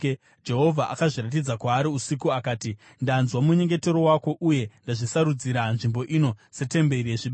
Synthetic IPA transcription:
d͡ʒe̞ɦo̞vʱaʔa̰kaʐirat̬id͡zakwaːɾiusikuakaːti | ndanzwamuɲe̞ŋɡe̞te̞ɾo̞wako̞ʔuje̞ndaʐisaɾud͡ziɾanʐimbo̞ʔino̞se̞te̞mbe̞rieʐiɓe

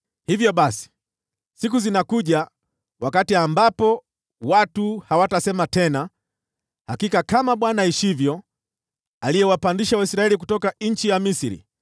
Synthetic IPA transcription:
hivjɔɓasi̥ | sikuzinakuʄa | wakatiambapɔ | watuhawatasɛmatɛna | hakikakamaɓwanaiʃivjɔ | alijɛwapandiʃawaisɾaɛlik̬utɔkaɲ̩t͡ʃijamisiɾḭ

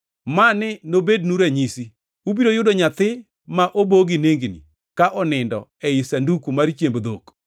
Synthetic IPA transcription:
manɪnobednuɾɛɲisi | ubiɾojʊdoɲat̪ɪ | maʔoboɡineŋɡnḭ | kaʔɔnɪndɔ̰ɛɪsandukumaɾt͡ʃjembd̪ok

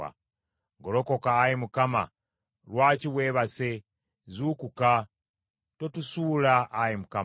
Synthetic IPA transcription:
a̰ | ɡo̞loko̞kaːjimukama̰ | lwaciweːβase | zukuka | to̞tusuːlaʔːjimuka

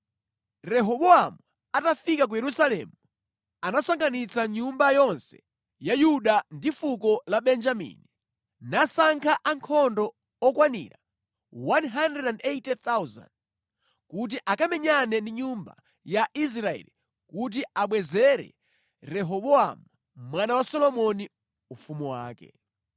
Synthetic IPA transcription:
ɾɛɦɔɓɔamu | atafikak̬ujɛɾusalɛ̰mu | anasaŋɡanit͡saɲumbajɔnsɛ̥ | jajuɗandifukɔlaɓɛnd͡ʒamḭni | nasaŋkʰaʔaŋkʰɔndɔ | ɔkwanḭɾa | wanɦandɛdandɛtɛθawza̰nd | kut̬iʔakamɛɲanɛndiɲumba̰ | jaʔis̬ɾaɛ̰li | kut̬iaɓwɛzɛɾɛ̰ | ɾɛɦɔɓɔa̰mu | mwanawasɔlɔmɔni | ufumuwa̰ːkɛ̰

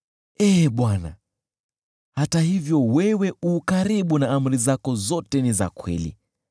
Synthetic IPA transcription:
ɛːɓwana̰ | hatahivjɔwɛwɛukaɾiɓunaam̩ɾizakɔzɔtɛniza̰kwɛ̰lḭ

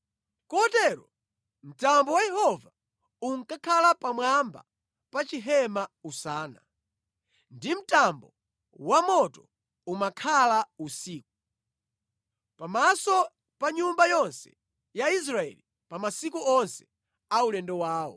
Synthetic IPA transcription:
kɔtɛɾɔ | m̩tambɔwajɛhɔva | uŋkakʰalapamwamba̰ | pat͡ʃiɦɛmausaːna̰ | ndim̩tambɔ | wamɔtɔ | umakʰalausiːk̚u | pamasɔ | paɲumbajɔnsɛ̥ | jais̬ɾaɛ̰li | pamasikuɔnsɛ̥ | aulɛndɔwaːwɔ̰

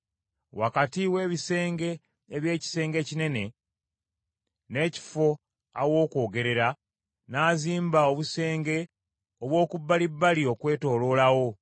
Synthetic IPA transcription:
wakatiwe̞ːβise̞ːŋɡe̞ː | βje̞ːci̥se̞ːŋɡe̞cine̞ne̞ | ne̞ːci̥fo̞ | awo̞ːkwo̞ːɡe̞ɾe̞ɾa | naːziːmbao̞βuse̞ːŋɡe̞ | oβwo̞ːkubːalibːalio̞kwe̞ːto̞ːlo̞ːlawo̞

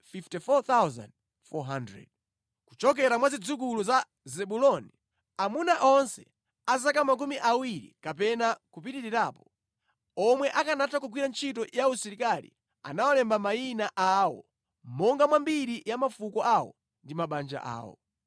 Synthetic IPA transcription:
fiftifɔt̪awza̰nd | fɔɦandɹɛ̰d̚ | ku̥t͡ʃɔk̬ɛɾamwazid͡zuk̬uluza | zɛɓulɔni | amunaʔɔnsɛ | azakamak̬umiʔawiɾḭkapɛnakupitiɾiɾaːpɔ | ɔmwɛʔakanatakuɡwiɾant͡ʃʰitɔjausiɾikalḭ | a̰nawɔlɛmbamainaʔawɔ̰ | mɔŋɡamwambiɾijamafukɔʔawɔ̰ | ndimaɓand͡ʒa̰ʔa̰ːwɔ̰

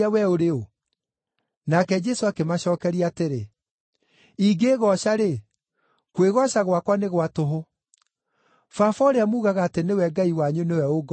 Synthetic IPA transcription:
awɛoɾeo | nakɛd͡ʒɛsoakemaɕɔːkɛɾiateɾe | iɡeːɣɔɕaɾe | kweɣɔɕaɣwakwaneɣwatoɦo | fafɔoɾeamuːɣaɣaːtenewɛɡaiwaɲunewɛoɡ

